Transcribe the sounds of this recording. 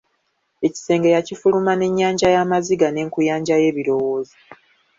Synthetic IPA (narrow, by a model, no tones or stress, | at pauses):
e̞ci̥se̞ːŋɡejacifulumane̞ɲːaːɲɟajamaziɡane̞ːŋkujaːɲɟaje̞ːβiɾo̞wo̞ːzi